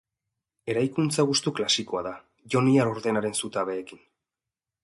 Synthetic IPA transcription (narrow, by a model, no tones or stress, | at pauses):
e̞ɾajkunt͡saɣ̞ust̪uklasiko̞aða | ʝo̞niaɾoɾðe̞naɾe̞nsut̪aβe̞ːkin